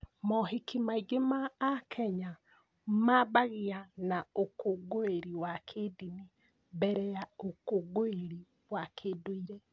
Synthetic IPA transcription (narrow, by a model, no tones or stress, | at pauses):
mɔɦikimaiɡemaːkʰɛɲa | mabaɣeanaokoɡoeɾiwakʰedini | bɛɾɛjaokoɡoeɾi | wakʰedoiɾɛ